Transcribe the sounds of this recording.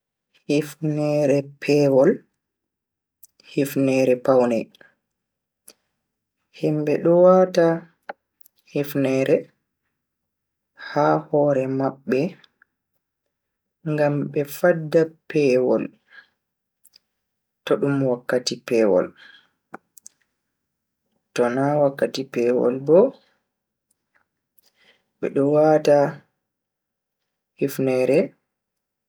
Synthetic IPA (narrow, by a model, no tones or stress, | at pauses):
hifnɛɾɛpʰɛwɔl | hifnɛɾɛpawnɛ | himbɛɗɔwata | hifnɛːɾɛ | haːhɔɾɛmaɓːɛ | ŋɡamɓɛfadːapɛwɔ̰l | tɔɗumwakːatipɛːwɔ̰l | tɔnawakːatipɛːwɔ̰lbɔ | ɓɛ̰ɗɔwata | hifnɛɾɛ